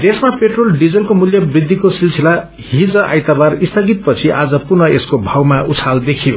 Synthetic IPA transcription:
d̪esmapeʈrolɖid͡zʌlkomuljʌbrid̪ʱːikosilsʰila | hid͡zʌʔa̰jt̪abarist̪ʰʌɡit̪̚pʌt͡sʰiʔad͡zʌpurnʌeskobʱawmaʔut͡sʰald̪ekʰijo

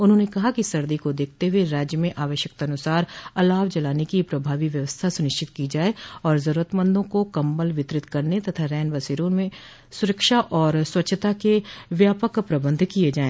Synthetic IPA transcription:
ʊnɦõnekɐɦakisɐɾd̪ikod̪eːkʰt̪eɦueɾaːd͡ʒjəmẽʔaːʋəʃjək̚t̪ɐnʊsaːɾɐlaːʋd͡ʒɐlaːnekipɾɐbʱaːʋiʋjɐʋəst̪ʰasʊnɪʃt͡ʃɪt̪kid͡ʒaːeɔːɾzɐɾuːɾət̪mə̃nd̪ʱõkokɐ̃mbəlʋɪt̪ɾɪt̪kɐɾnet̪ɐt̪ʰaɾɛːnʋɐsiːɾõmẽ | sʊɾəkʃaʔɔːɾswɐtːʃʰət̪akeʋjaːpəkpɾɐbə̃nd̪ʱkied͡ʒaːẽː

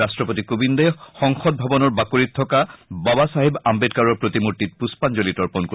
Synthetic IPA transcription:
astɹɔpotikobindɛxɔŋxɔd̚bʱɔbɔnɔɹbakoɹitʰːɔkababasaɦibambet̚kaɹɔɹpɹot̪imuɹtit̚puspanzolitɔɹpɔnko

